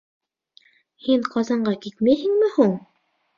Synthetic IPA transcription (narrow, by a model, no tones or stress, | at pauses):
hiŋqɑzɑɴɢɑkit̪mæhɘ̆ŋmɘhuɴ